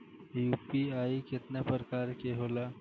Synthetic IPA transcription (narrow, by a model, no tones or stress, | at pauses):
jupiaikɪt̪napəɾkaɾkeɦola